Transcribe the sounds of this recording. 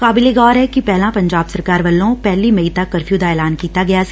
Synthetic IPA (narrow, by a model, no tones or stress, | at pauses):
kaːbɪleɡɔːɾɦɛkipɛɦlãpɐ̃ɲd͡ʒaːbsɐɾkaːɾʋɐlːõpɛɦlimɐit̪akɐɾfʰjuːd̪aɛːlaːnkiːt̪aɡɐjas